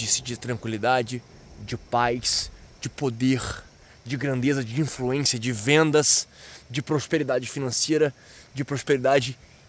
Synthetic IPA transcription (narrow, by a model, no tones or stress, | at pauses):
isɪd͡ʒɪt̪ɾɐ̃ŋkwilid̪ad͡ʒɪ | d͡ʒɪpajsd͡ʒɪpod̪eɾ | d͡ʒɪɡɾɐ̃nd̪ezɐd͡ʒɪĩfluẽsiɐd͡ʒɪvẽnd̪ɐsd͡ʒɪpɾospeɾid̪ad͡ʒɪfinɐ̃sejɾɐ | d͡ʒɪpɾospeɾid̪ad͡ʒɪ